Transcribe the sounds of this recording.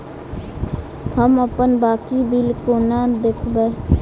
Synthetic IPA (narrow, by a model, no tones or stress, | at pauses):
həməpənbaːkiːbilkoːnãːd̪ekʰbɛː